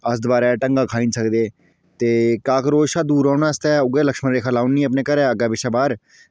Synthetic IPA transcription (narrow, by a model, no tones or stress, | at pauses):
əsd̪əbaːɾɛːʈəŋɡaːkʰaːĩːnsəkd̪eː | t̪eːkaːkɾoːd͡ʒʃaːd̪uːɾaːnãːst̪ɛːʊɡeːləkʃmənɾeːkʰəlaːʊnːĩːəpneːkəɾɛːəɡaːbɪʃaːbaːɾ